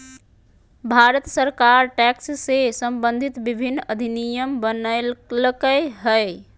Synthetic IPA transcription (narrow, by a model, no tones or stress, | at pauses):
bʱaɾət̪səɾkaɾʈɛkssesəmbənd̪ʱit̪bibʱinːəd̪ʱinijəmbənələkəɦə